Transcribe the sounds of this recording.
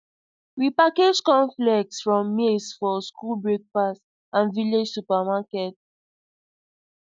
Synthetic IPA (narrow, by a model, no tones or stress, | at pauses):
wipaked͡ʒkɔ̃ɱflɛk̚tsfɹɔ̃mːilsfɔskulbɹek̚pas | ãnviled͡ʒsupamakɛt̚